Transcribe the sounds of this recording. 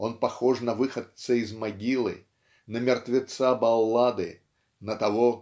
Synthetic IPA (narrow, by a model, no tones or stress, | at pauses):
onpɐxoʐnɐvɨxət̪səizmɐɡʲilˠɨ̰ | nəmʲɪrt̪vʲɪt̪sabɐlˠːad̪ɨ̰ | nət̪ɐvo